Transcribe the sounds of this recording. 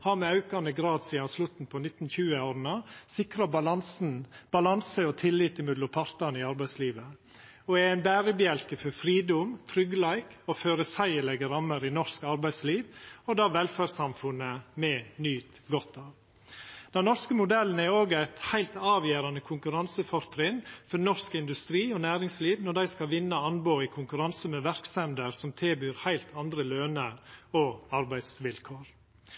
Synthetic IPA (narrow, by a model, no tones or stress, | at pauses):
hɑːɾmɛɑʉkɑnəɡɾɑːd̪siːɑnslʉt̪n̩pʰɔnɪt̪ːn̩çʉːəoːɾnɑsɪkɾɑbɑlɑnsn̩b̥ɑlɑnsəɔt̪ʰɪlːiːt̪ɪmʉd̪lʊpʰɑɾt̪əɾnɪɑɾbæɪsliːʋə | ɔɛæɪnbæːɾəbɪɛlkəfɔɾfɾiːd̪ʊmt̪ʰɾʏɡəlæɪkɔføːɾəsæɪəlɛɡəɾɑmːəɾɪnɔɾskɑɾbæɪsliːʋɔd̪ɑːʋɛlfæɾsɑmfʉnəmɛnyːt̪ɡɔt̪ːɑːʋ | d̪̥ɛnnɔɾskəmʊd̪ɛln̩əæɾoːɡæɪt̪hæɪlt̪ɑːʋjeːɾɑnəkʰʊŋkʉɾɑnsəfɔɾt̪ʰɾɪnfɔnɔɾskɪnd̪ʉst̪ɾiːɔnæːɾɪŋsliːʋnɔɖæɪskɑʋɪnːəɑnboːɪkʰʊŋkʉɾɑnsəmɛʋæɾksɛnd̪əɾsɔmt̪ʰɪlbyːɾhæɪlt̪ʰɑnd̪ɾəløːnəɾɔɑɾbæɪd̪sʋɪlkʰoːɾ